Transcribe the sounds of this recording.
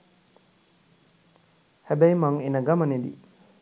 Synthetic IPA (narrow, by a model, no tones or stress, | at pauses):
hæbæjmaŋenəɡaməned̪ḭ